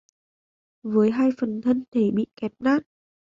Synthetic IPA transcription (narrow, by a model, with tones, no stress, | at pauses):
vəː˨˦jɦaː˧jfə˨˩nt̪ʰə˧nt̪ʰe˧˩ɓḭ˧˨kɛ˨˦p̚naː˦˥t̚